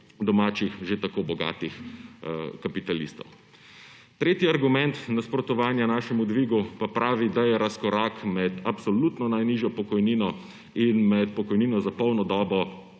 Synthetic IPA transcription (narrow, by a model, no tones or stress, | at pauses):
d̪ɔmaːt͡ʃixʒet̪akobɔɡa̰ːt̪ix | kapit̪alist̪ɔ̰w | t̪ɾeːt̪jiaɾɡumɛnt̪naspɾɔt̪ɔʋaːnjanaːʃɛmud̪ʋiɡupapɾaːʋid̪ajɛɾaskɔɾaːkmɛt̪apsɔlut̪nɔnajniʒjɔpɔkɔjninɔ | inmɛt̪̚pɔkɔjniːnɔzapɔwnɔd̪ɔːbɔ